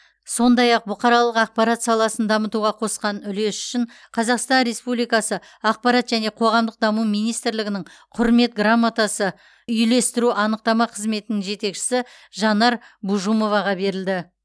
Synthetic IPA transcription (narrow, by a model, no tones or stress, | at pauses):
so̞nd̪ɑjɑq̚bʊqʰɑɾɑlˠəqɑq̚pɑɾɑt̪sɑlˠɑsənd̪ɑmət̪uʁɑqʰo̞sqɑnʏle̞sʏ̥ʃɪɴ | qʰɑzɑqst̪ɑnɾe̞spublijkɑsə | ɑq̚pɑɾɑt̪ʒæne̞qʰo̞ʁɑmd̪əq̚d̪ɑmumijnijst̪ɾlɪɡʲɪnɪŋɴ | qʰʊɾme̞t̪ɡramːat̪asə | ʏjle̞st̪ɪɾuʔɑnəq̚t̪ɑmɑqʰəzme̞t̪ɪnɪŋʒe̞t̪e̞kʃɪ̥sɪ | ʒɑnɑɾbuʒumo̞vɑʁɑbe̞ɾɪld̪ɪ